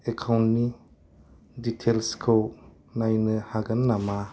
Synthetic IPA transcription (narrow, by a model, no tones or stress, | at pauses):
ekʰawntni | ditʰelskʰɯw | najnɯhaɡɯnːama